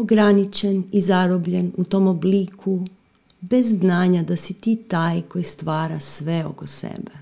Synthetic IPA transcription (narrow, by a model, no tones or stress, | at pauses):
oɡɾanit͡ʃenizaɾobʎenut̪oːmobliːkʰu | bezːnaːɲad̪asit̪iːt̪aːjko̞jist̪ʋaːɾasʋeo̞̰kosḛbe